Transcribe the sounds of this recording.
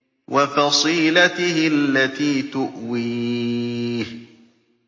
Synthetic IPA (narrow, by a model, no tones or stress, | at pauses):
wʔɑfɑsˤiːlat̪ɪhɪalːat̪iːt̪ʊʔwiː | h